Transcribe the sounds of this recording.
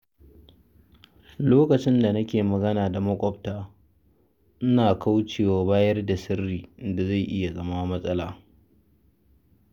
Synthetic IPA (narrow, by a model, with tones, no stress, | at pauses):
loː˦kɐ˨t͡ʃɪ˦nda˨nɐ˦kʲeː˨mɐ˨ɡɐ˦naː˨da˨mɐ˦kʷʼɔ˦b̚taː˨ | ʔɪ˦naː˨kʰa˦wt͡ʃeː˨waː˦baː˦jɐ˦rda˨sɪ˦rːiː˨ʔɪ˦nda˨za˦˨jʔɪ˦ja˨zɐ˦ma˦mɐ˦sʼɐ˦laː˨